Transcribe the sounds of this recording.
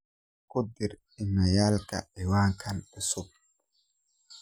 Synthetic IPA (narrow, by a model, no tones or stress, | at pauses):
kʊd̪ɪɾ | ɪnːɐjaːlkɐ̰ɛwaːŋkʰɐnɪsʊb̚